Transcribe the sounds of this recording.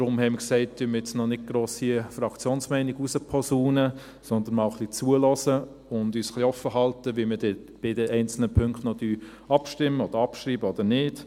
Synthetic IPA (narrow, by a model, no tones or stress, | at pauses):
d̥ɾʊmhɛɪməksɛɪt̚d̥yːməjɛt͡snɔnɪd̚ɡ̥ɾoːsifɾɑkt͡sjoːnsmɛɪniɡusəpʰɔsuːnə | sɔnd̪ənmɑʊχlit͡suəlɔsə | ʊndyːsχliɔfːəɦɑltəʋimədɛ | b̥ɪdɛʔɛɪnt͡sl̩nəpʰʏŋktnɔd̥yː | ɑpʃtɪmːəɔd̥əɾɑpʃɾiːbəɔd̪ənɪːd̥